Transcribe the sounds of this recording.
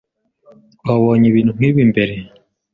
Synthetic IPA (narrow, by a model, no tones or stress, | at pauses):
aβɔɲeβinuŋ̥iβimbeɾe